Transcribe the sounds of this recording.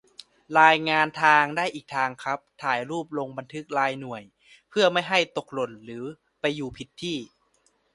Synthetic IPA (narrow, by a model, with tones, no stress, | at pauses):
ɾaː˧jŋaː˧nt̪ʰaː˧ŋdaː˥˩jʔiː˨˩k̚t̪ʰaː˧ŋkʰɾa˦˥p̚t̪ʰaː˨˩jɾuː˥˩p̚lo˧ŋba˧nt̪ʰɯ˦˥k̚laː˧jnu˨˩əj | pʰɯ˥˩ɐma˥˩jɦa˥˩jt̪o˨˩k̚lo˨˩nɾɯː˩˦ | pa˧jːuː˨˩pʰi˨˦˥t̪ʰːiː˥˩